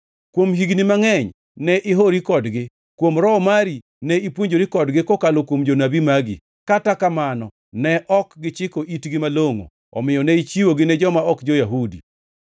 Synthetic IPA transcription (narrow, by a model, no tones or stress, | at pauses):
kwomɦiɡnimaŋɛɲ | nɛʔɪɦoɾikɔdɡɪ | kwomɾɔɔmaɾi | nɛipwoɲd͡ʒoɾikɔdɡɪkokalokwomd͡ʒonabimaɡḭ | katakamanɔ | nɛʔɔkɡɪt͡ʃɪkoʔitɡɪmaloŋo̰ | ɔ̰mɪjɔnɛit͡ʃiwoɡɪnɛd͡ʒɔmaɔkd͡ʒojaɦudi